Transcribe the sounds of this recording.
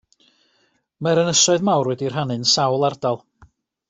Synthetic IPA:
maɾənəsɔɨðmawrwɛdir̥ɦanɨnsawlˠardalˠ

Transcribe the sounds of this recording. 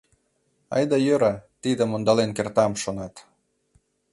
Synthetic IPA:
ɑ̰jd̪ɑjøɾɑt̪id̪əmond̪ɑlenkert̪ɑmʃonɑt̪

